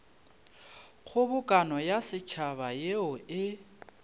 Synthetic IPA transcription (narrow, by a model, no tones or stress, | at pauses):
k͡xʰʊbʊkʼanɔjasɪt͡ʃʰaβajeʊɪ